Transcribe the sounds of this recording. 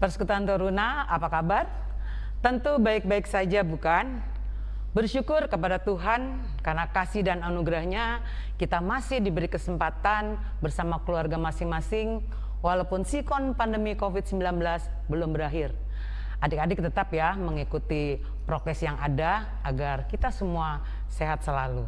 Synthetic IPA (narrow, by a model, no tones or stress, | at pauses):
pərsə̥kut̪uant̪əɾunaapakabar | t̪ənt̪ubaɪk̚baɪksad͡ʒabukan | bərʃukʊrkəpadat̪uɦan | karnakasɪhdananuɡɾahɲa | kit̪amasɪhdibəɾikəsəmpat̪an | bərsamakəluarɡamasɪŋmasɪŋ | walaupʊnsikɔnpandəmikofit̪̚səmbilanbəlasbəlʊmbəɾaɦɪr | ʔadɪkadɪk̚t̪ət̪apjaməŋikut̪i | pɾot̪ɛsjaŋʔadaː | ɡarkit̪asəmua | seɦat̪̚səlalu